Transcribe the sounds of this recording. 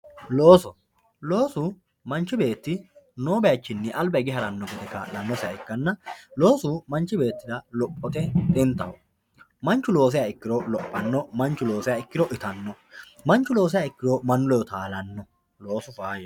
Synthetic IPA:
lo̞ːsɔ | lo̞ːsʊ | mɐnt͡ʃːɪbe̞ːt̪ːɪnoːbɛjat͡ʃːɪnːɛʔɐlbɐɪɡɪɦɐɾɐnːɔɡɛd̪ɛkːɐ̰lɐnːɔsɪjɐɪkːɐnːɐlo̞ːsʊmɐnt͡ʃːɪbe̞ːt̪ːɪd̪ɐlɔpʼːɔt̪ɛt̪ʼɪnt̪ɐwɔ | mɐnt͡ʃːʊlo̞ːs̬ɪjaɪkːɪɾɔlɔpʼːɐnːɔmɐnt͡ʃːʊlo̞ːsɪjaɪkːɪɾɔʔɪt̪ɐnːɔ | mɐnt͡ʃːʊlo̞ːs̬ɪjaːɪkːɪɾɔmɐnʊlɔjɔt̪aːlɐnːɔ | lo̞ːsʊfaːjɐ

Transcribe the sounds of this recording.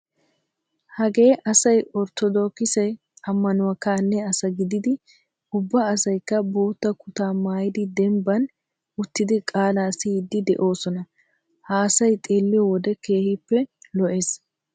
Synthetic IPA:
hɐɡe̞ːʔɐsɐjɔɾt̪ɔd̪oːkːɪsɛj | ɐmːɐnʊwɐkaːnːɛɐsɐɡɪd̪ɪd̪ɪ | ʊbːɐːsɐjkːɐbo̞ːt̪ːɐkʊt̪aːmaːjɪd̪ɪd̪ɛmbɐn | ʊt̪ːɪd̪ɪkʼaːlaːsɪd̪ːɪd̪ɛʔo̞ːsɔnɐ | haːsɐjt̪ʼe̞ːlːɪjɔwɔd̪ɛke̞ːhɪpːɛlɔʔeːs

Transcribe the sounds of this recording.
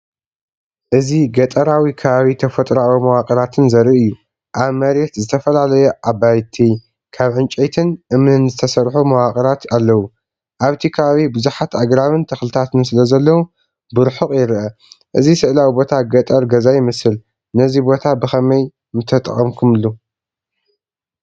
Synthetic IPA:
ʔɨziɡɐt̪ʼɐɾawikʰɐβaβit̪ʰɐfɐt̪ʼɾawimɐwakʼɐɾat̪ʰɨnzɐɾiʔɨjːu | ʔaβmɐɾet̪zɨt̪ʰɐfɐlalɐjɛʔabajt̪ʰi | kʰaβʕɨnt͡ʃʼejt̪ʰɨnʔɨmnɨnzɨt̪ʰɐsɐɾħumɐwakʼɐɾat̪alːɐwu | ʔaβt̪ʰikʰɐβaβibɨzuħat̪aɡɾaβɨnt̪ʰɐxlɨt̪ʰat̪ʰɨnsɨlɐzɐlːɐwu | bɨɾħuqʼjɪɾʔɐʔɨzisɨʔlawibo̞t̪ʰaɡɐt̪ʼɐɾɡɐzajɪmɐsɨl | nɐzibo̞t̪ʰabɨxɐmɐj | mɨt̪ʰɐt̪ʼɐ̰χʼɐmkʰumɨlːu

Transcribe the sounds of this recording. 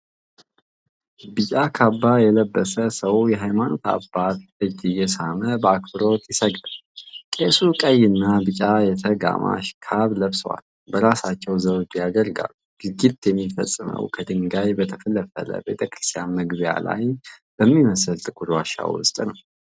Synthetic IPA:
bɨt͡ʃʼakʰabːajɛləbːəsəsəwjɛɦajmano̞t̪ʰa̰bːat̪ʔɨd͡ʒːijɛsaməbəakbɨɾo̞t̪jɪsəɡ̪alkʼesukʼəjːɪnːabɨt͡ʃʼajɛt̪ʰəɡa̰ma̰ʃkʰaβləβsəwa̰l | bəɾasat͡ʃːɛwzəwd͡ʒjaɡ̪əɾɡa̰luɡ̥ɨɡit̪jɛmːifə̰sʼːmə̰wkʰəd̪ɨŋɡajbət̪ʰəfələfə̰lə̰be̞t̪ʰəkʰʼɨɾɨst̪ʰijanməɡbja̰la̰jb̥əmːiməsɨlt̪ʼɨkʼuɾwaʃa̰wʊ̰st̪ʼnəw

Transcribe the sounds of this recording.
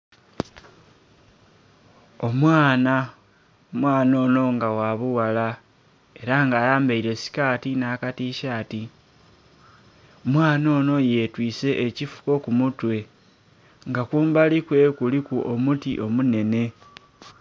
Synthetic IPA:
o̞mwaːna | omwaːno̞ːno̞ŋɡawaβuwala | e̞ɾaŋɡaːjaːmbaiɾe̞si̥kaːtinaːkatiʃaːti | omwaːno̞ːno̞je̞twiːse̞ʔːcifu̥ko̞kumutwe̞ | ŋɡakuːmbalikwe̞kulikuʔo̞mutiʔo̞mune̞ne̞

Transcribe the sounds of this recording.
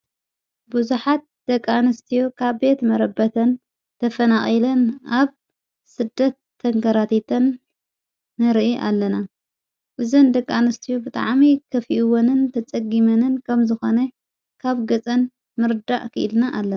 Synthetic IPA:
buzuħat̪̚d̪̥ɐkʼːanɐst̪ʰijokʰaβbe̞t̪mɐɾɐbɐt̪ʰɐn | t̪ʰɐfɐnaxʼilɐnʔaβ | sɨd̪ːɐt̪ʰːɐŋkɐɾat̪ʰit̪ʰɐnː | ɨɾʔiʔa̰lːɐna | ʔɨzɐnd̪ɐkʼːanɨst̪ʰijobɨt̪ʼa̰ʕmikʰɐfiʔwonɨnt̪ʰɐt͡sʼɐɡimɐnɨnkʰɐmzɨxonɐ | kʰaβɡɐt͡sʼɐn | mɨɾd̪a̰ʔʼkʰɨʔɨlnaʔalːɐ

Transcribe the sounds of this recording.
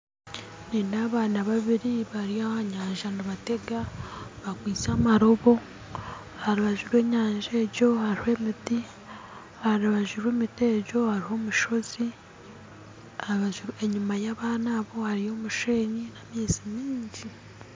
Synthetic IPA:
niːnaβaːnaβaβiɾiβaɾiahaɲaːɲʒanuβate̞ɡaβakwiːt͡samaɾo̞βo̞ | haɾiβaʒuɾwe̞ːɲaːɲʒe̞ːɟo̞haɾihe̞ːmidi | haɾiβaʒuɾweːmite̞ːɟo̞haɾiho̞ːmuʃo̞zi | aβaʒuɾue̞ɲumajaβaːnaβo̞haɾijo̞ːmuʃeːɲinamiːzimiːɲɟi

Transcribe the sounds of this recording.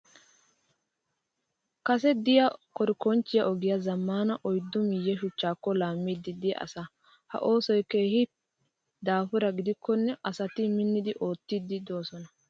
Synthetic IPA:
kɐsɛd̪ɪjɐkɔɾɪkɔnt͡ʃːɪjɐʔɔɡɪjɐzɐmːaːnɐʔɔjd̪ːʊmɪjːɛʃʊt͡ʃːaːkːɔlaːmːid̪ːɪd̪ɪj̰ʔɐ̰sɐ | hɐ̰ʔo̞ːsɔjkeːhɪ | d̪aːfʊɾɐɡɪd̪ɪkːɔnːɛʔɐsɐt̪ɪmɪnːɪd̪ɪʔo̞ːt̪ːid̪ɪd̪o̞ːsɔnɐ

